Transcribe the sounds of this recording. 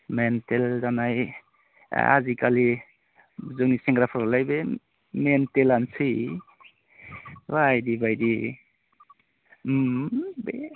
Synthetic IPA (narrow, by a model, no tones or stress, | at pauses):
mentelzanaj̰ | ha̰zikali | zɯŋniseŋɡɾapʰaɾlajbe | mentelansij | wajdibajdi | be